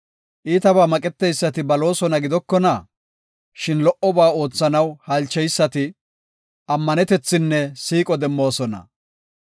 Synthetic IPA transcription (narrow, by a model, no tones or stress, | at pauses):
ʔiːt̪ɐbaːmɐkʼɛt̪ːɛjsːɐt̪ɪbɐlo̞ːsɔnɐɡɪd̪ɔkːɔnɐ | ʃɪnlɔʔɔbaːo̞ːt͡sːɐnɐwhɐlt͡ʃːɛjsːɐt̪ɪ | ʔɐmːɐnɛt̪ɛt͡sːɪnːɛsiːkʼɔd̪ɛmːo̞ːsɔnɐ̰